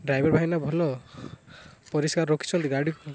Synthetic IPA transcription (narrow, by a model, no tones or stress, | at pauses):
ɖɾajbɔɾbaɦinabʱɔlɔ | pɔɾiskaɾːokʰi̥t͡ʃʰɔnt̪iɡaɽik